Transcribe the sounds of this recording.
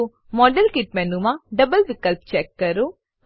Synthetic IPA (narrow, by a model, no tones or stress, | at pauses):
mɔːɖəlkiʈ̚mɛnumãɖɐbəlʋikəlp̚t͡ʃeːkːɐɾu